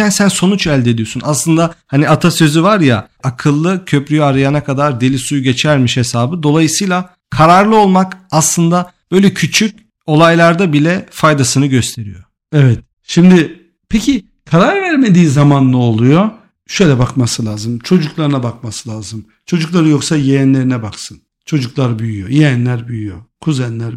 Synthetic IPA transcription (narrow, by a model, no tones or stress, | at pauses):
ænsænso̞nut͡ʃælʲd̪e̞d̪ijo̞sunʔa̰slˠɯnd̪ahaniat̪ʰasø̞zyvaɾja̰ | akʰɯlˠːɯcʰø̞pɾyjaɾajanakʰad̪aɾd̪elʲisujuɟe̞t͡ʃʰæɾmiʃhe̞saːbɯd̪o̞lˠajɯsɯjlˠa | kʰaɾaɾlˠɯo̞lˠmakaslˠɯnd̪ab̥ø̞jlʲɛcʰyt͡ʃʰyc̚ | o̞lˠajlˠaɾd̪abilʲɛfajd̪asɯnɯɟøst̪ʰe̞ɾḭjo̰ | evɛt̪ | ʃimd̪ɪ | pʰecʰi | kʰaɾaɾvæɾme̞d̪iːzamanːˠuolˠujo | ʃø̞jlʲɛbakmasɯlʲˠaːzɯmt͡ʃʰo̞d͡ʒuklˠaɾɯnabak̚masɯlʲˠaːzɯm | t͡ʃʰo̞d͡ʒuklˠaɾɯjo̞ksajejænlʲe̞ɾinɛbaksɯn | t͡ʃʰo̞d͡ʒuklˠaɾbyjyjojejɛnlʲæɾbyjyjokʰuzɛnlʲæɾ